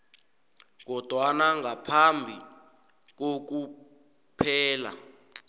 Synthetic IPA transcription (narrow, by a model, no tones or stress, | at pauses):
k̬ɔd̥ʱwanaŋɡʱapʰambʱi | k̬ok̬u | pʰɛːla̰